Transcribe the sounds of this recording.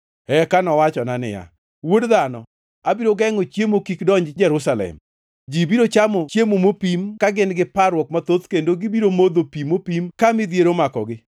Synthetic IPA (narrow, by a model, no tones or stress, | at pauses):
ɛkanɔwat͡ʃɔnanɪ̰ja̰ | wodðanɔ̰ | abiɾoɡɛŋot͡ʃjemokikdɔɲd͡ʒd͡ʒɛɾusalɛ̰m | d͡ʒibiɾot͡ʃamɔt͡ʃjemomopimkaɡɪnɡɪpaɾwɔkmat̪ot̪kendoɡɪbiɾomod̪opimopimkamɪd̪jeɾomakɔ̰ɡɪ